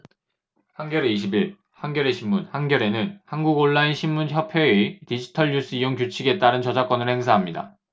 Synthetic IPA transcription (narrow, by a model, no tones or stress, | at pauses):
hanɡjʌɾe̞iɕ̬ʰibiɭ | hanɡjʌɾe̞ɕʰimːunhanɡjʌɾe̞nɯnhanɡuɡoɭːainɕʰimmunçjʌpʰeetid͡ʑitʰʌɭːus͈ʰɯijoŋk̬jut͡ɕʰiɡe̞t͈aɾɯnt͡ɕʌd͡ʑak͈ʌnɯɭhe̞ŋsʰaɦamɲida̰